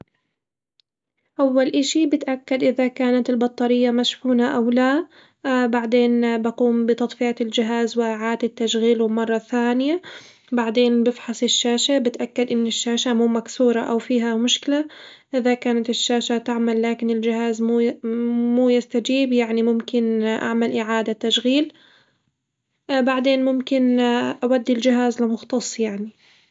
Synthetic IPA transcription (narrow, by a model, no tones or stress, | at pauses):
ʔawːalʔɪʃibɪt̪ʔakːad̪ʔɪðakaːnat̪ɪlbɑt̪ˤːɑɾɪjːamaʃħuːnaʔawla | baʕd̪eːnbaquːmbɪt̪ɑt̪ˤfɪaɪld͡ʒɪɦaːzwɪʔaʕaːd̪ɪt̪ːaʃɣiːlumɑrˤːɑθaːnɪja | baʕd̪eːnbɪfħɑsˤɪʃːaːʃabɪt̪ʔakːad̪ʔɪnːɪʃːaːʃamuːmaksuːɾˤɑʔawfiːɦamʊʃkɪla | ʔɪðakaːnat̪ɪʃːaːʃat̪aʕmalːaːkɪnɪld͡ʒɪhaːzmu | muːjɪst̪ad͡ʒiːbjaʕnimʊmkɪnʔa̰ʕmalʔɪʕaːd̪at̪ːaʃɣiːl | baʕd̪eːnmʊmkɪnʔawad̪ːɪld͡ʒɪɦaːzlɪmʊxt̪ɑsˤːjaʕni